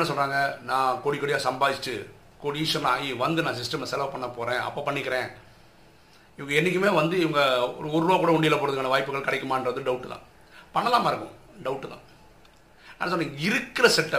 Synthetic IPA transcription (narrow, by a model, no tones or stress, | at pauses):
nas̬ɔlraːŋɡɐnãːkoːɽikːoːɽɪjaːsɐmbaːɪt͡ʃʈːɯ | koːɽisɔnːa̰ːɣiʋɐnd̪ɯnãːs̬ɪsʈɐmlsɛlɐʋpɐɳːɐpːoːɾẽːɐ̰pːoːpɐɳːɪkːɪɾẽː | ɪʋɐŋɡɐɛnːɪkːɯmeːʋɐnd̪ɯɪʋɐŋɡɐɔɾɯɾaːkuːɽɐʊɳɖɪjɪlːapoːɾɐðɯkːɐɳːɐʋaːjpːɯɣɐɭkɐɽɛkːɯmaːɪndɾɐðɯɖɐʊʈːɯt̪ã̰ː | pɐɳːɐlaːmaːɪɾɯkːʊ̰̃ | ɖɐʊʈːɯt̪ã̰ː | nã̰ːnɐs̬ɔnːɐ̃ŋɪɾɯkːɪɾɐsɛʈːɐ